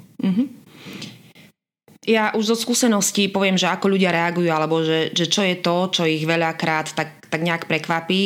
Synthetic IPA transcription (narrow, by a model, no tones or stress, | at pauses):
m̩ɦ̩ | jaʔuʒzɔskuːsɛnɔscipɔʋɪɛmʒɛakɔʎuɟɪaɾɛaɡujualɛbɔʒɛʒɛt͡ʃɔjɛt̪ɔt͡ʃɔiɣʋɛʎakɾaːt̪ːak̚t̪aɡɲɛakpɾɛkʋapiː